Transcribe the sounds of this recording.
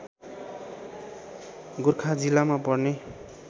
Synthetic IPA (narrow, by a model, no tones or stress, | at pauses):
ɡurkʰad͡zilamapʌrne